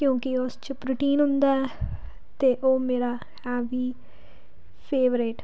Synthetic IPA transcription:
kjõːkiʊst͡ʃəpɾuːʈiːnɦʊ̃nd̪aːɛː | t̪eːʔoːmeːɾaː | hɛːʋiː | pʰeːʋɾeʈ

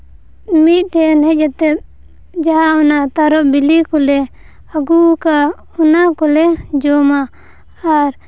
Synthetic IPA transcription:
mit̪̚ˀʈɛnɦɛd͡ʒat̪ɛt̪̚ | d͡ʒaɦaɔnat̪aɾɔʔbilikɔlɛ | aɡuka | ɔnakɔlɛd͡ʒɔmaː | ɾ

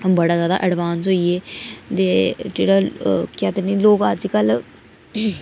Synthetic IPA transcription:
bəɽaːzjaːd̪a̰ːʔəɖʋaːnsɦoːieːt̪eːd͡ʒeːɽaːkjaːt̪eniloːkəd͡ʒikəl

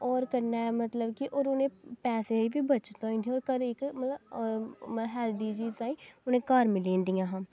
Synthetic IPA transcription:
ɔːɾkəɾnaːɛmət̪ləbkiʔoːɾʊnẽːpɛːseibʱibət͡ʃt̪oːĩnt̪ʰiɔːɾkəɾɪkmət̪ləbməɦɛːld̪iːd͡ʒiːzaːĩːʊnẽːkaːɾmɪlĩːnd̪ijãɦãː

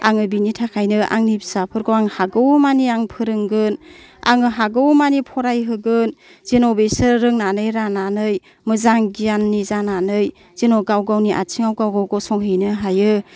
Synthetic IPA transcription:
a̰ŋɯbinitʰakʰajnɯʔa̰ŋnibisapʰɯɾɡɔwaŋhaɡɯwmaniaŋpʰɯɾɯŋɡɯn | a̰ŋɯɦaɡɯwmanipʰɔɾajɦɯɡɯn | z̥enobesɯɾɾɯŋnanɯjɾananɯj | mɯzaŋɡijanːizananɯj | z̥enɔɡawɡawniʔa̰t͡ʃʰiŋawɡawɡawɡɔwsɔŋɦɯjnɯɦajɯ

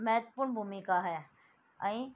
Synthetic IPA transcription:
mɛɦət̪əpʊɾɳbʱumikaɦɛ | ə̃ĩ

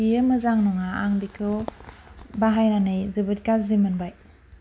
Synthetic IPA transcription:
iɯmɯzaŋnɔŋaaŋdikʰɯ | baɦajnanɯjzɯbɯt̚kazimɯnbaj

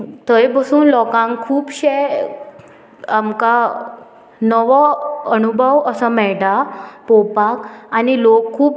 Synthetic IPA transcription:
t̪əjbəsuːnlɔkãŋkʰuːpɕɛ | amka | nəʋəənubʱəʋəsamɛɭɖapopakanilokʰːuːp

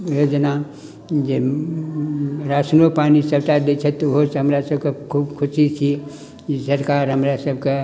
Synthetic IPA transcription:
jod͡ʒəna | d͡ʒe | ɾaːsnopaːnisɐbtad̪et͡ʃʰət̪ːoɦosɦɐmɾasəb̚kekʰuːbkʰʊsit͡ʃʰi | sɐɾkaːɾɦəmɾasəbke

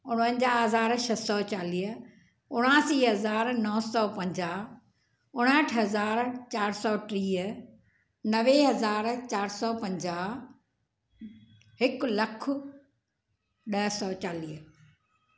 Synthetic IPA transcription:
ʊɽ̃ə̃nd͡ʑaːɦɐzaːɾʃɐsɔːt͡ɕaːliːɦ | ʊɽ̃aːsiːɦɐzaːɾnɔːsɔːpɐ̃ɲd͡ʑaːɦ | ʊɽ̃əʈʰɦɐzaːɾt͡ɕaːɾsɔːʈɾiːɦə | nɐʋeɦɐzaːɾt͡ɕaːɾsɔːpɐ̃ɲd͡ʑaː | ɦɪklɐkʰʊ | ɗɐɦsɔːt͡ɕaːliːɦ

